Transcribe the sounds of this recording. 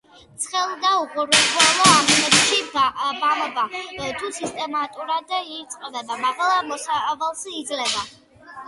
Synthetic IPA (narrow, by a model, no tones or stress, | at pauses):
t̪sʰχɛlˠd̪auqʼuɾwɛbʰlalɔamɔnɛbʃibamɔbat̪ʰusist̪ʼɛmat̪ʼuɾad̪it̪sʼqʼɛd̪ad̪amaʁalˠamɔsavalˠsiːd̪zlɛba